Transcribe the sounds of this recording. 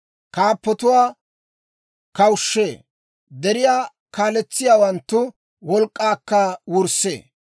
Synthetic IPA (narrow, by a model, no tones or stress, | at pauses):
kaːpːɔt̪ʊwaː | kɐwʃːeː | d̪ɛɾɪjaː | kaːlɛt͡sːɪjaːwɐnt̪ːʊ | wɔlkʼːaːkːɐwʊɾsḛː